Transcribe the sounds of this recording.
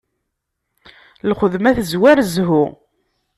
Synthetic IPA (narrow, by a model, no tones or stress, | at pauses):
lχəðmæθəzwæɾzɦʊ